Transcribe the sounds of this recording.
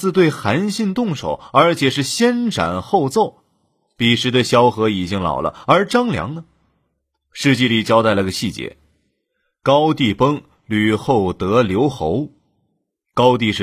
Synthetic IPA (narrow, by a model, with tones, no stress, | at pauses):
ɹ̩˥˧t̪̬we˥˩ɪxa˧˥nɕi˥˧nt̪ʊ˥˩ŋʂo̰˨˩˦ʊə˞˧˥t͡ɕʰjɛ˨˩ʂɻ̩˥˩ɕjɛ˥nʈ͡ʂʰa̰˨˩nxo˥˧ʊt͡so˥˩ʊ | pi˨˩ʂɻ̩˧˥d̪ə˧ɕjɑ˥ʊxɤ˧˥i˨˩t͡ɕi˥ŋlɑ̰˨˩ʊlʔə̰˦ə˞˧˥ʈ͡ʂɑ˥ŋljɑ̰˧˥ŋnə˧ | ʂɻ̩˥˧t͡ɕi˥˩li˨˩t͡ɕjɑ˥ʊa˥˩ɪlə˧˥ɡə˧ɕi˥˩t͡ɕjɛ̰˧˥ | kɑ˥ʊt̪i˥˩pɤ˥ŋ | ly˨˩xo˥˩ʊt̪ɤ˧˥ljo˧˥ʊxo˧˥ʊ | kɑ˥ʊt̪i˥˧ʂɻ̩˥